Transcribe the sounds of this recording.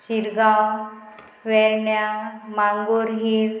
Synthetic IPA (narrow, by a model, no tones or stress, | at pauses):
t͡ɕiɾɡaw | ʋɛɾɳjamaŋɡoɾɦiɾ